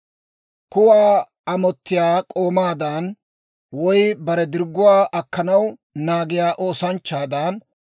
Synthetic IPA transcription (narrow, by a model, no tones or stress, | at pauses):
kʊwaː | ɐmɔt̪ːɪjaːkʼo̞ːmaːd̪an | wɔjbɐɾɛd̪ɪɾɡːʊwaːʔɐkːɐnɐwnaːɡɪjaːʔoːsɐnt͡ʃːaːd̪an